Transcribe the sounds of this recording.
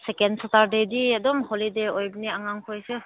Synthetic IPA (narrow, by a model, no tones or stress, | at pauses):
sekensataɾdediadɔmholideojbniaŋaŋkʰɔjsɯ